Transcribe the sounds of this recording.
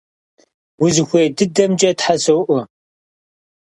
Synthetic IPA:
wʊzxʷeːdɨdɐmd͡ʒʼɐtħasɐwʔʷʊ

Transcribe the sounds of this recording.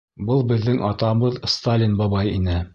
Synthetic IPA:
bɤlˠbɘ̆ðːɘŋʔɑt̪ɑɤbɤðst̪alʲinbɑbɑjinɘ

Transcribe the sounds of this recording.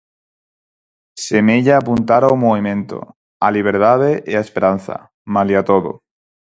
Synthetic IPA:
semeʎaːpunt̪aɾawmoβimẽ̞nt̪o̰ | aliβ̞eɾtaðeʔeaespeɾan̟θa̰ | maljiat̪oðo̰

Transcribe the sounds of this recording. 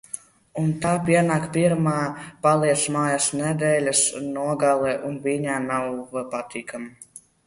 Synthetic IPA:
unt̪aːpʲiɛnaːkpʲiɾmaːpalˠiɛt̪smaːjasnɛd̪ɛːlʲasnuɔɡalˠɛːʔunviɲaːnawpat̪ʰiːkama

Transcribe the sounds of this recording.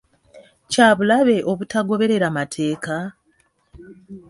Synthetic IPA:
caːβulaβe̞ʔo̞βutaɡo̞βe̞ɾe̞ɾamatʰe̞ːka

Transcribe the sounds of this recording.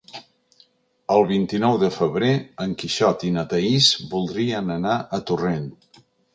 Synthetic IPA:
əlˠβint̪inɔwðəfəβɾeəŋkiʃɔt̪inət̪əizbulˠd̪ɾiənənaʔət̪uren

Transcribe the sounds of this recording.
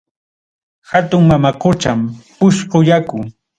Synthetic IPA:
hat̪ʊŋmamaqʊt͡ʃampʊʃɢojakʊ

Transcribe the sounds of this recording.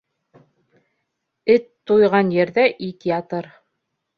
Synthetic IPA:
ɘt̪ːujʁɑnjɘ̆ɾðæʔit̪ijɑt̪ɤɾ

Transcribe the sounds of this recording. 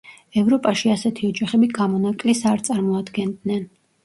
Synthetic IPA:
ɛvɾɔpʼaʃiasɛt̪ʰiɔd͡ʒaχɛbiɡamɔnakʼlisaɾt̪sʼaɾmɔad̪ɡɛnd̪nɛn

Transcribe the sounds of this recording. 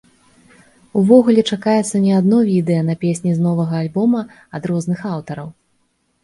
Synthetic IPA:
uvɔɣulʲɛt͡ʂakajɛt̪sːɐnʲɛad̪nɔvʲid̪ɛjɐnɐpʲesʲnʲiznɔvɐɣɐːlʲbɔmɐː | d̪ɾɔznɨxawt̪ɐɾɐw

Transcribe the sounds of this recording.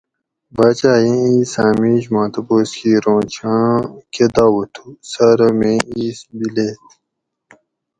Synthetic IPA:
baːt͡ɕaːjẽiːsaːmiɕmãːt̪ɐboːskiɾõːt͡ɕʰãked̪aːwɐt̪ʰusɐɾɐmẽiːsbileːt̪

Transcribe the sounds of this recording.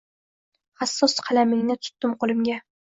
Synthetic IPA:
hasːɒsqʰɑlamɪŋnɪt̪ʰʊ̥t̪ːɪmqʰolˠɪmɡʲa

